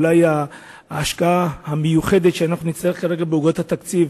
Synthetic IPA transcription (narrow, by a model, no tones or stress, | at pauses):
lajaː | ʃkaahamejuχe̞d̪et̪ʃeanaχnunit͡st̪ajeχkaʁe̞ɡabeuɡot̪hat̪akt͡siv